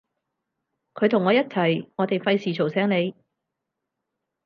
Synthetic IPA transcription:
kʰɵ˨˧ɥt̪ʰʊ˨˩ŋːɔː˨˧jɐ˥t̚t͡sʰɐ˨˩jŋɔː˨˧t̪e˨jfɐ˧jsiː˨t͡ʃʰo˨˩wsɛː˥ŋle˨˧j

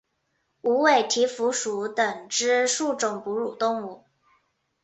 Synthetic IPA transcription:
u˧˥we˥˩ɪt̪ʰi˧˥fu˧˥ʂu˧˥t̪ə˨˩ŋʈ͡ʂɻ̩˥ʂu˥˩ʈ͡ʂʊ˨˩ŋpu˧˥ɻu˨˩t̪ʊ˥˧ŋu˥˩

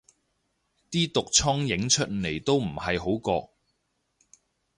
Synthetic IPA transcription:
t̪iː˥t̪ʊ˨k̚t͡ʃʰɔː˥ŋjɪ˨˥ŋt͡ʃʰɵ˥t̚ne˨˩jt̪o˥wm̩˨˩hɐ˨jɦo˨˥wkɔː˧

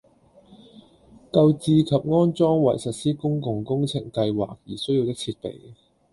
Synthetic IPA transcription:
kɐ˧wt͡siː˧kʰɐ˨p̚ŋɔː˥nt͡sɔː˥ŋwɐ̰˨˩jsɐ˨t̚siː˥kʊ˥ŋkʊ˧ŋkʊ˥ŋt͡sʰɪ˨˩ŋkɐ˧jwa̰ː˨˩k̚jiː˨˩sɵ˥ji˧wt̪ɪ˥k̚t͡sʰiː˧t̚pḛ˨˩j

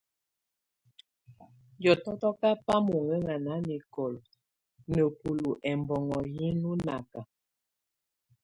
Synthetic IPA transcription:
jɔ˨tɔ˦tɔ˦ka˦pa˦mu˨ŋɛ˦ŋa˨na˨˦ni˨kɔ˨l | nə˨pu˨lu˨ʔɛ˨mbɔ˨ŋɔ˨ji˦nu˦na˨ka˨

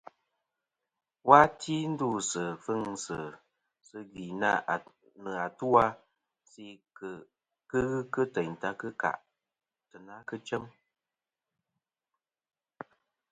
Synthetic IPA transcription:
wa˦ti˦n̩˦du˦˨sɨ˨fɨ˦ŋsɨ˨ | sɨ˧ɣi˨na˦˨ | nɨ˨a˨tu˦a˦ | si˦k | kɨ˦ɣɨ˦kɨ˦tə˨ɲ̩˨ta˧kɨ˦ka̰˨ʔ | tɨ˨na˦kɨ˦t͡ʃə˦m

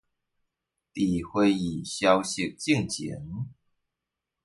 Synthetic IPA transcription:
t̪i˨˩xwe˥˧ɪi˨˩ɕjɑ˧ʊɕi˥˨˩k̚t͡ɕi˥˩ŋt͡ɕḭ˧˦ŋ

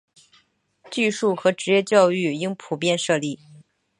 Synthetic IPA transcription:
t͡ɕy˥˧ʂu˥˩xɤ˧˥ʈ͡ʂɻ̩˧˥jɛ˥˧t͡ɕjɑ˥˧ʊy˥˩i˥ŋpʰu˨˩pjɛ˥˧nʂɤ˥˧li˥˩

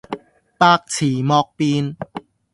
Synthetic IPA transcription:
paː˧k̚t͡sʰiː˨˩mɔː˧k̚pi˧n

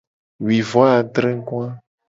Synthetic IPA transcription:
wi˨vɔ˦a˨d̪ɾe˦ŋ̩˦ku˦a˦

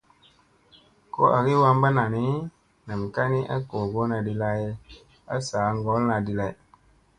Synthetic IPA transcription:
ko̰˦ʔa˨ɡi˦wa˦mba˦na˨ni˦ | na˨m˨ka˦ni˦ʔa̰˦ko˨ɡo˦na˨di˦la˦je˦ | a̰˦saː˨˦ŋ˦ɡɔ˨˦lna˨di˨la˨j

